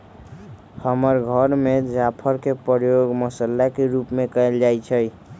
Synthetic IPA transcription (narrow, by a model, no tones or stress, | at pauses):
həməɾɡʱəɾmed͡ʒapʰəɾkepəɾjoɡməsəlːakeɾupmekəeld͡ʒajt͡ʃʰəj